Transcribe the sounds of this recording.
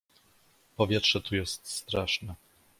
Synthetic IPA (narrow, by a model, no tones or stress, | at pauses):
pɔvʲjɛtʂɛt̪ujɛst̪st̪ɾaʂnɛ